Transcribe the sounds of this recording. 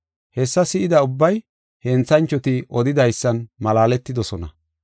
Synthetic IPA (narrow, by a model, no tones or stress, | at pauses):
hɛsːɐsɪʔɪd̪ɐʊbːɐj | hɛnt͡sːɐnt͡ʃːɔt̪ɪʔɔd̪ɪd̪ɐjsːɐnmɐlaːlɛt̪ːɪd̪ɔsɔnɐ̰